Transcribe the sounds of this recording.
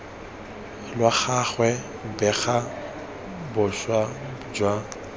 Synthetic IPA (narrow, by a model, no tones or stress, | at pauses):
lwaχaχwɛ | bɛɣa | bʊʃwad͡ʒwa